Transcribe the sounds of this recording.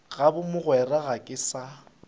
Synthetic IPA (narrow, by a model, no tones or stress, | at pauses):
ɣabʊmʊɣwɛraɣakʼɪsa